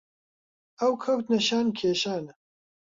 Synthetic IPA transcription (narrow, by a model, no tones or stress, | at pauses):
ɐwkʰɐwt̪nɐʃaːnkʰeːʃaːn